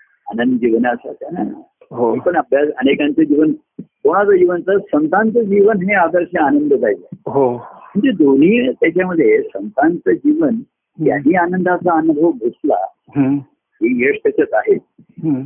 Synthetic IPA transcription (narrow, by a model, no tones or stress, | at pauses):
a̰nənd̪əd͡ʑiʋnasa̰t̪jana̰ | ɦoepəɳabʱjasənekãnt͡səd͡ʑiːʋən | koɽ̃at͡sad͡ʑiʋənt͡sasənt̪ãnt͡səd͡ʑiʋənɦẽad̪əɾɕaanənd̪əd͡zajd͡zaɦoməɳd͡zed̪on̤iːt̪jat͡ɕjaməd̪ʱːjesənt̪ant͡səd͡ʑiʋən | ja̰niːanənd̪ʱat͡saːnəd̪ʱəbʱusla̰ | ɦ | ɦijeʂt̪asat͡saɦet̪̚ | ɦ